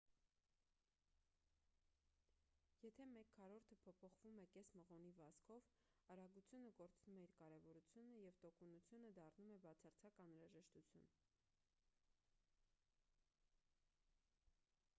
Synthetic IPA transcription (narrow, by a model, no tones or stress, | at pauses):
jɛt̪ʰɛmɛkʰːɑɾɔɾt̪ʰəpʰɔpʰɔχv̥umɛkɛsməʁɔnivɑskʰɔv | ɑɾɑɡut͡sʰjunəkɔɾt͡snumɛiɾkɑɾɛvɔɾut͡sʰjunəjɛvt̪ɔkunut͡sʰjunəd̪ɑrnumɛbɑt͡sʰɑɾt͡sʰɑkɑnɾɑʒɛʃt̪ut͡sʰjṵn